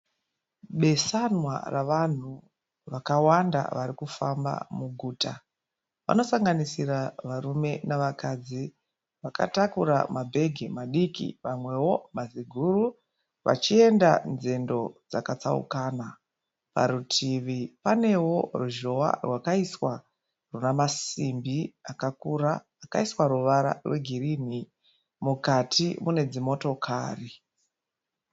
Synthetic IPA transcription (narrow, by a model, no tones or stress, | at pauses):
ɓe̞sanwa̰raʋan̤u | ʋakawanda̰ʋaɾikufamba̰muɡʱuːta | ʋa̰no̞saŋɡanisiraʋarume̞naʋakad͡zi | ʋaka̰takuɾa̰mabʱe̞ɡʱimaɗikḭʋamwe̞wo̞maziɡʱuru | ʋa̰t͡ʃie̞ndanze̞ndo̞d͡zakat͡sa̰ṵkana | pa̰ɾutʰiʋipane̞wo̞ruʒo̞wa̰rwakaiswa | runamasimbiakakuraː | kaiswaruʋaɾa̰rwe̞ɡʱirini | mukatʰimune̞d͡zimo̞to̞kʰaːri